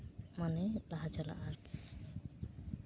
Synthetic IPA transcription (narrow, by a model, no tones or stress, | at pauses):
manelaɦad͡ʒala̰ʔaɾ